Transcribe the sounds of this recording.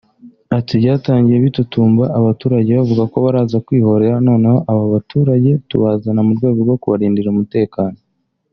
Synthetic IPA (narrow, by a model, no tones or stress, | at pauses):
atiβɟaːtaːɲɟije̞βitutuːmbaʔaβatuːɾaɟe̞βavuɡako̞βaɾaːzakwiːho̞ɾe̞ɾano̞ːne̞ho̞ʔaβaβatʰuːɾaɟe̞tuβaːzanamuɾɡwe̞ːɡoɾɡo̞kuβaɾiːndiɾumute̞ːkaːno